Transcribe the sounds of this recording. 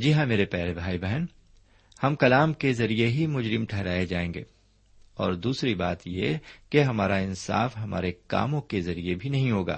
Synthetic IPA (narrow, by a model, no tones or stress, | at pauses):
d͡ʒiɦãmeːɾepɛːɾebʱaːibɛɦən | hɐmkɐlaːmkezɐɾieɦimʊd͡ʒɾɪmʈʰɛɦɾaːed͡ʒaːẽːŋɡḛː | ɔːɾd̪uːsɾibaːt̪jekeɦɐmaːɾaɪnsa̰ːfɦɐma̰ːɾeka̰ːmõkezɐɾiebʱinɐɦĩɦoːɡa̰ː